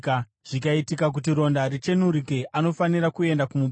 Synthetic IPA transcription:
ʐ̥ikaitikak̬ut̬iɾo̞ndaɾit͡ʃe̞nuɾike̞ʔano̞fanirakue̞ndakumuɓ

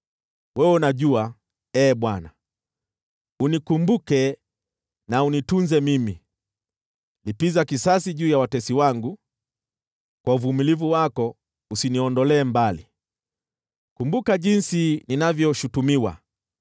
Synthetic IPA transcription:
wɛwɛunaʄua | ɛːɓwana | unikumbukɛ | naunitunzɛmimi | lipizakisasiʄuːjawatɛsiwaŋɡu | kwauvumilivuwakɔ | usiniɔndɔlɛːmbali | kumbukaʄinsininavjɔʃutumiwa̰

